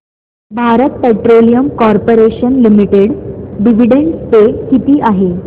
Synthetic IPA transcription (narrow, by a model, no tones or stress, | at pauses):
bʱaɾət̪̚peʈɾolijəmkɔɾpoɾeɕənlimiʈeɽɖiʋiɽeɳɖspekit̪iːʔaɦe